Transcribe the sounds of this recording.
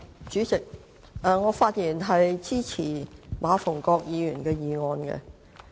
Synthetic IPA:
t͡ʃyː˨˥t͡sɪ˨k̚ | ʔɛː˨ŋɔː˨˧faː˧t̚jiː˨˩nɦɐ˨jt͡siː˥t͡sʰiː˨˩mʔaː˨˧fʊ˨˩ŋkɔː˧k̚jiː˨˧jyː˨˩nkɛː˧jiː˨˧ŋɔː˧nkɛ̰˧

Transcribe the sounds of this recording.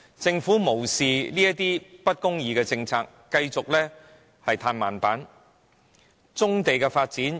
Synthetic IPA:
t͡sɪ˧ŋfuː˨˥mo˨˩wsiː˨liː˥jɐ˥t̪iː˥pɐ˥t̚kʊ˥ŋjiː˨˧kɛː˧t͡sɪ˧ŋt͡sʰaː˧kːɐ˧jt͡sʊ˨k̚lɛː˥ | hɐ˨jt̪ʰaː˧nmaː˨˩npaː˨˥n | t͡sʊ˥ŋt̪e˨jkɛː˧faː˧t̚t͡siː˨˥n

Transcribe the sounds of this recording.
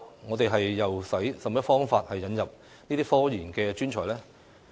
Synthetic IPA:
ŋɔː˨˧t̪e˨jɦɐ˨jːɐ˨wsɐ˨˥jsɐ˨mjɐ˥t̚fɔː˥ŋfaː˧t̚hɐ˨jːɐ˨˧njɐ˨p̚ | niː˥t̪iː˥fɔː˥jiː˨˩nkɛː˧t͡ʃyː˥nt͡ʃʰɔː˨˩jlɛː˥

